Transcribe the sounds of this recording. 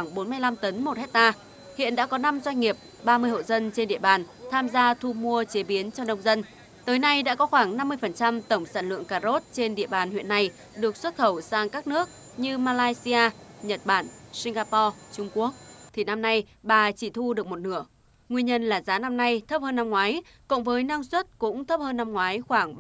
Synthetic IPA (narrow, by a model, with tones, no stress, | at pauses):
waː˧˩ŋɓo˨˦nma˧jla˧mt̪ə˨˦nmo˨˩t̚hɛ˦˥t̚t̪aː˧ | hḭ˧˨ənɗa̰ː˧˥kɔ˨˦na˧mzwa˧jŋ̟ŋi˨˩əp̚ | ɓaː˧mɨ˧əjho̰˧˨zə˧nt͡ɕe˧nɗḭ˧˨əɓaː˨˩nt̪ʰaː˧mzaː˧t̪ʰu˧mu˧ət͡ɕe˨˦ɓi˨˦ənt͡ɕɔ˧nə˧wŋ͡mzə˧n | t̪əː˨˦jna˧jɗa̰ː˧˥kɔ˨˦xwaː˧˩ŋna˧mːɨ˧əjfə˨˩nt͡ɕa˧mt̪ə˧˩wŋ͡msaː˧˩nlɨ̰˧˨əŋkaː˧˩zo˦˥t̚t͡ɕe˧nɗḭ˧˨əɓaː˨˩nhwḭ˧˨ənːa˧˩j | ɗɨ˨˩ək̚swə˦˥t̚xə˧˩wsaː˧ŋkaː˦˥k̚nɨ˦˥ək̚ | ɲɨ˧maː˧laː˧jsi˧aː˧ɲə˨˩t̚ɓaː˧˩nsi˧ŋ̟ɣaː˧pɔ˧t͡ɕʊ˧ŋ͡mku˦˥ək̚t̪ʰi˨˩na˧mna˧jɓaː˨˩t͡ɕi˧˩t̪ʰu˧ɗɨ˨˩ək̚mo˨˩t̚nɨ˧˩ə | ŋwi˧əɲə˧nlaː˨˩zaː˨˦na˧mna˧jt̪ʰə˦˥p̚həː˧nːa˧mŋwaː˨˦j | kʊ̰˧˥wŋ͡mvəː˨˦jnaː˧ŋswə˦˥t̚kʊ̰˧˥ŋ͡mt̪ʰə˦˥p̚həː˧nːa˧mŋwaː˨˦jxwaː˧˩ŋ